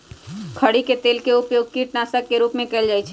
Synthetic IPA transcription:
kʰəɽiket̪eːlkeʊpjoːɡ̚kiːʈnaːsəkːeɾuːpmẽkɛːld͡ʒaːjt͡ʃʰɛ

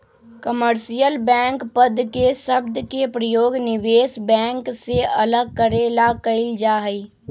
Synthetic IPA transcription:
kəməɾsijəlbɛ̃ːŋkpəd̪ʱkesəbd̪kepɾəjoːɡnɪʋeːsbɛ̃ːŋkseələɡ̚kəɾelakəɪld͡ʒaːɦəi

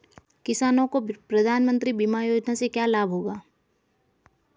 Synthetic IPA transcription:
kɪsaːnõkopɾɐd̪ʱaːnmə̃nt̪ɾibimajoːd͡ʒnasekjaːlaːbʱɦoːɡaː

